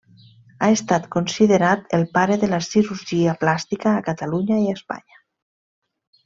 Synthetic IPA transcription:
aest̪at̪konsiðeɾat̪elpaɾeðelasiɾuɾʒiaplast̪ikaːkat̪aluɲaiaspa̰ɲa

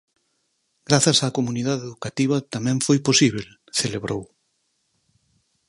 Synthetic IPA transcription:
ɡɾaθɐsaːkomuniðaðeðukat̪iβ̞ɐt̪amɛ̃ɱfojposiβ̞el | θeleβɾow

